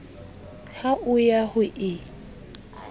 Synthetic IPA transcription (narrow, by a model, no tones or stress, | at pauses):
haʔʊjahʊʔɪ